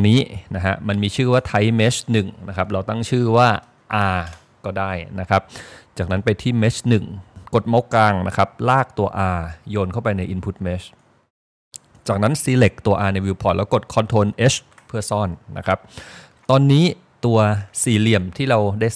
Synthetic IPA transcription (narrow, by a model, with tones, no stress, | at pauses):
ŋniː˦˥na˦˥kʰa˦˥ma˧nmiː˧t͡ɕʰɯː˥˩waː˥˩t̪ʰa˦˥jme˦˥t͡ɕnɯ˨˩ŋna˦˥kʰa˦˥p̚ɾa˧wt̪a˥˩ŋt͡ɕʰɯː˥˩waː˥˩ | ʔaː˧ | kɔː˥˩daː˥˩jna˦˥kʰa˦˥p̚t͡ɕaː˨˩k̚na˦˥npa˧jt̪ʰiː˥˩meː˦˥t͡ɕnɯ˨˩ŋko˨˩t̪̚ma˦˥wkaː˧ŋna˦˥kʰa˦˥p̚laː˥˩k̚t̪u˧ɐʔaː˧joː˧nkʰa˥˩wpa˧jna˧jʔi˧npʰu˦˥t̪̚me˦˥t͡ɕ | t͡ɕaː˨˩k̚na˦˥nsiː˨˦˥le˨˩k̚t̪u˧ɐʔaː˧na˧jwiː˧pʰɔː˨˩lɛː˦˥wko˨˩t̪̚kʰɔ˧nt̪ʰoː˧nʔe˦˥s | pʰɯː˥˩sɔː˥˩nːa̰˦˥kʰa˦˥p̚ | t̪ɔː˧nːiː˦˥ | t̪u˧ɐsiː˨˩li˨˩əmt̪ʰiː˥˩ɾa˧wdaː˥˩j